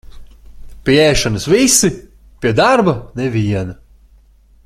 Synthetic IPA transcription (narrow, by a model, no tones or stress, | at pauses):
pʲiɛːʃanɨsvisi | pʲiɛd̪aɾbanɛvʲiɛnɐ